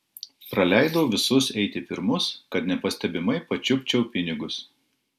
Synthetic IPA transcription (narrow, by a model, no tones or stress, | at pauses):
pɾɐlʲæˑɪd̪ɐʊʋʲɪsʊsɛɪt̪ʲɪpʲɪɾmʊskɐt̪nʲɛpɐsʲt̪ʲɛbʲɪmɐɪpɐt͡ʃʲʊpʲt͡ʃʲɛʊpʲɪnʲɪɡʊs